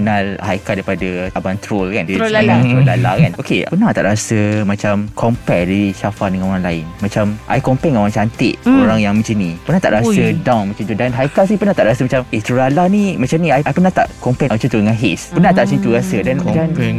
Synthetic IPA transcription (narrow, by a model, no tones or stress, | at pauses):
ənalhajkat̪dajpadaabant̪ɾolkandiaɾolala̰kanokepənaht̪a̰ʔɾasəmãt͡ʃamkʰɔmpɛdaisafaʔdəŋãnoɾaŋlaɪnmãt͡ʃamʔa̰jkɔmpɛŋoɾaŋt͡ʃant̪ɪʔoɾaŋjaŋmə̃t͡ʃinĩpərnaht̪a̰ʔɾasədãwnmat͡ʃut̪udanɦajkasipərnaht̪aʔɾasəmat͡ʃamʔet̪ɾolalanĩmat͡ʃamnĩajajpənaht̪a̰ʔkɔmpɛmə̃t͡ʃut̪udəŋãnɦespənat̪aʔsint̪uɾasədandan